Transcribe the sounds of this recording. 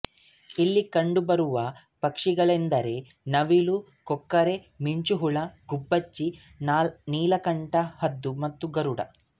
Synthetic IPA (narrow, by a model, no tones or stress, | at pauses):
ilːikɐɳɖubɐɾuʋɐ | pɐkʂiɡɐɭend̪ɐɾe̞nɐʋilu | kɔkːɐɾe̞ | miɲt͡ʃuɦuɭɐɡubːɐt͡ʃːi | nːniːlɐkɐɳʈɐhɐd̪ːumɐt̪ːuɡɐɾuɽɐ̰